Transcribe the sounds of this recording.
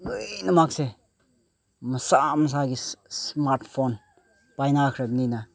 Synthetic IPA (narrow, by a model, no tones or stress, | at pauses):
lɯjnɐmak̚se | mɐsamɐs̬aɡismaɾtʰpʰon | pajnakʰɾeb̚nina